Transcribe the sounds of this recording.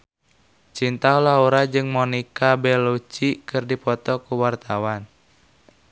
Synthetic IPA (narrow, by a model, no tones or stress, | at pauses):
t͡ʃint̪aulauɾad͡ʒɨŋmɔnikabɛlot͡ʃikɨrdipɔt̪ɔkuwart̪awan